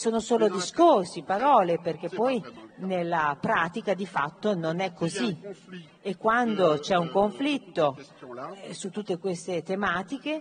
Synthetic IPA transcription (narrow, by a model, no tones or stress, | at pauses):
soːnosoːlod̪iskorsipaɾɔːleperk̟epːɔjnelːapɾaːt̪ikad̪ifat̪ːononɛkːozi | ekːwand̪ot͡ʃɛuŋkoɱflit̪ːo | sut̪ːut̪ːekwest̪et̪emaːt̪ik̟e